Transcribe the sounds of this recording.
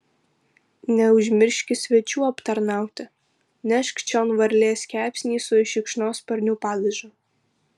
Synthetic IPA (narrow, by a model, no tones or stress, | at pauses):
nʲɛʊʒʲmʲɪɾʲʃʲkʲɪsʲʋʲɛt͡ʃʲuːɐpt̪ɐɾnɑˑʊt̪ʲɪ | nʲɛʃkʲt͡ʃʲɔːnʋɐɾʲlʲeːsʲkʲæːpʲsʲnʲiːsʊɪʃʲɪkʃnoːspɐɾʲnʲʊpɑːd̪ɐʒo